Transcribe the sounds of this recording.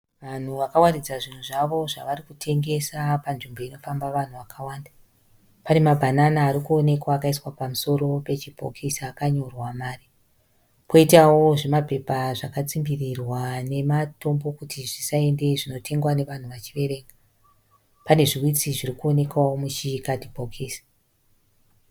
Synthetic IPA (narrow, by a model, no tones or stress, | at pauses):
ʋan̤uʋakawarid͡zaʐin̤uʐaʋo̞ʐaʋaɾikutʰe̞ŋɡe̞sapanʐimbo̞ino̞fambaʋan̤uʋakʰawaːnda | pane̞mabʱananaːɾikuone̞kwaːkaiswapamuso̞ɾo̞pe̞t͡ʃibʱo̰kʰisaːkaɲo̞rwamaːri | pʰo̞itawo̞ʐe̞mape̞paʐakat͡simbirirwane̞mato̞mbo̞kutʰiʐisae̞nde̞ʐino̞tʰe̞ŋɡwane̞ʋan̤uʋat͡ʃiʋe̞ɾe̞ːŋɡa | pane̞ʐiwit͡siʐirikuo̞ne̞kwawomut͡ʃikadʱibʱokʰiːsḁ